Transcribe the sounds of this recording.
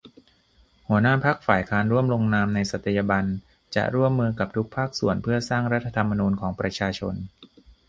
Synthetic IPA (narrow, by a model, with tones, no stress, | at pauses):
hu˩˦ənaː˥˩pʰa˦˥k̚faː˨˩jkʰaː˦˥nɾu˥˩əmlo˧ŋnaː˧mna˧jsa˨˩t̪ʰːa˧ja˧ba˧n | t͡ɕa̰˨˩ʔɾu˥˩əmːɯː˧ka˨˩p̚t̪ʰu˦˥k̚pʰaː˥˩k̚su˨˩ənpʰɯ˥˩ɐsaː˥˩ŋɾa˦˥t̪ʰːa˧t̪ʰa˧mːa˧nuː˧nkʰɔː˩˦ŋpɾa˧t͡ɕʰaː˧t͡ɕʰo˧n